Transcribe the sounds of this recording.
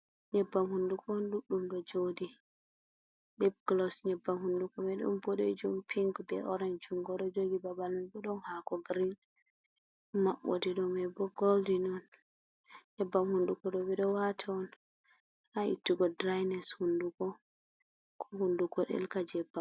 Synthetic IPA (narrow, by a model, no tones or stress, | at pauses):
ɲɛbːamhundukʰɔɔnɗuɗːumɗɔd͡ʒodi | ɗɛb̚ɡlɔsɲɛbːamhundukɔmɛɗṵmboɗḛd͡ʒumpʰiŋkbɛʔɔɾand͡ʒuŋɡɔɗɔd͡ʒoɡibabalunbɛɗɔnhakɔɡɾin | maʔːo̰diɗɔmɛbɔɡɔldinɔn | ɲɛbːamhundukɔɗɔbɛɗɔwatʰaɔn | aḭtːuɡɔdɾajnɛshundukɔ | kʰɔhundukɔɗɛ̰lkad͡ʒɛbːa